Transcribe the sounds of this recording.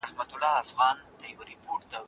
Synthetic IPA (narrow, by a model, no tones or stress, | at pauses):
ahmat̪ʊlɑafɣɑnd̪əjawəɾɪpoʈd̪ə